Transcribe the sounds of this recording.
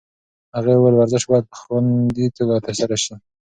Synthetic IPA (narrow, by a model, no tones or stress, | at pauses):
haɣawalwaɾzɪʃbɑjd̪̚xwand̪it̪ʰalɑt̪əɾsaɾaʃi